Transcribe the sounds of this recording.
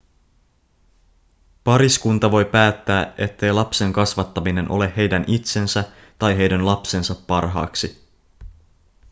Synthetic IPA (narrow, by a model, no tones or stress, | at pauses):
pɑɾiskunt̪ɑʋo̞jpæːt̪ːæːʔe̞t̪ːe̞jlɑpse̞ŋkɑsʋɑt̪ːɑmine̞nʔo̞le̞he̞jdænit̪se̞nsæ | t̪ɑjɦe̞jdænlɑpse̞nsɑpːɑrɦɑ̰ːksi